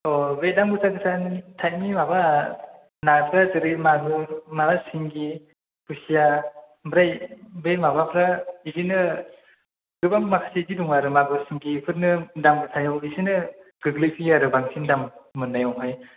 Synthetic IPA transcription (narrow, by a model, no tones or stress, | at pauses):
ɔbedamɡɯtaɡɯtʰantʰajt̚mimaba | naɾpʰɾatɯɾɯmaɡumabasiŋɡi | pʰusija | bɾajbemabapʰɾaidinɯ | ɡɯbamːakʰḁsediduŋaɾɯmaɡɔsiŋɡipʰɯɾnɯdamɡɯtʰajawisinɯ | ɡɯɡlɯpʰiaɾɯbaŋsʰindamːɯnːajɔŋɦaj